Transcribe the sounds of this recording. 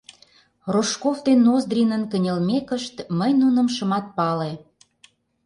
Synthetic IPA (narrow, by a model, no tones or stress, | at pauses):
roʃkofd̪enːozd̪rʲinənkənʲelmekəʃt̪məjnunə̆mʃə̆mɑt̪̚pɑle